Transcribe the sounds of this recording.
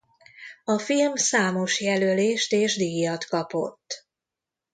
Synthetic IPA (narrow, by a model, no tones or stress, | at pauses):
ɒfilmsaːmo̞ʃjɛløleːʃt̪eːʒd̪iːjːɒt̪kɒpo̞̰t̪ː